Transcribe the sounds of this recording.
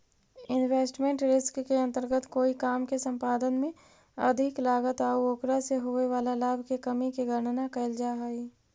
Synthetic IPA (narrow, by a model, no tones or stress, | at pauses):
ɪnweːsʈmẽɳʈɾɪskːeɐ̃nt̪əɾɡət̪koːikaːmkesə̃mpaːd̪ənmẽ | ɐ̰d̪ʱɪklaːɡət̪aːuoːkɾaseɦʊeʋaːlalaːbʱkekɐmikeɡʱəɾɳnakɐɪld͡ʒaːɦiː